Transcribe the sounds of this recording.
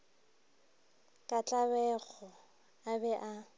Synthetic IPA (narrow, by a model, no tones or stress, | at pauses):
kʼat͡ɬʼabɛɣɔ | abɛʔa